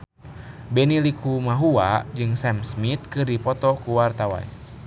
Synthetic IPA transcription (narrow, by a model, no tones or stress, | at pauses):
bɛnilikʰumaɦua̰d͡ʒɨŋsɛmsmit̪̚kɨrdipɔt̪ɔkuwart̪awa̰n